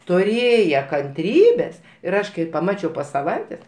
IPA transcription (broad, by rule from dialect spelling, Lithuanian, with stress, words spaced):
tʊˈrʲeːjɛ kɐnʲˈtʲrʲiːbʲeːs ɪr ˈɐʃ kɐɪ pɐˈmɑːt͡ʃʲɛʊ poː sɐˈʋɐɪtʲeːs